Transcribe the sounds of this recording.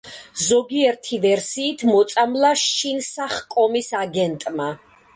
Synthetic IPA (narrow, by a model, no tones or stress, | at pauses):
zɔɡiɛɾt̪ʰivɛɾsiːt̪ʰmɔt̪sʼamlaʃinsaχkʼɔmisaɡɛnt̪ʼma